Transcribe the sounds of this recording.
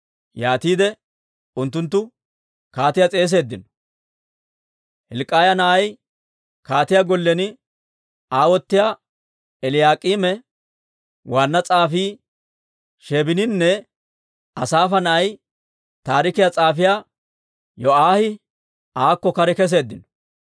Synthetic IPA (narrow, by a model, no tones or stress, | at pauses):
jaːt̪iːd̪ɛ | ʊnt̪ːʊnt̪̬ːʊ | kaːt̪ɪjat͡sʼe̞ːs̬e̞ːd̪ːɪnɔ̥ | hɪlkʼaːjɐnɐʔɐj | kaːt̪ɪjaɡɔlːɛnɪ | aːwɔt̪ːɪja | ɛlɪjaːkʼiːmɛ | waːnːɐt͡sʼaːfiː | ʃeːbɪnɪnːɛ | ɐsaːfɐnɐʔɐj | t̪aːɾɪkɪjat͡sʼaːfɪjaː | jɔʔaːhɪ | aːkːɔkɐɾɛkɛs̬e̞ːd̪ːɪnɔ̥